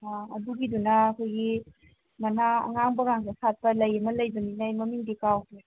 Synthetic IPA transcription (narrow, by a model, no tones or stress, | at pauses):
aɐduɡidunɐːkʰojɡi | mɐnaɐ̰ŋaŋbɐŋaŋɡesat̚pɐlɐjɐmɐlɐjbɐninajmɐmiŋdikawke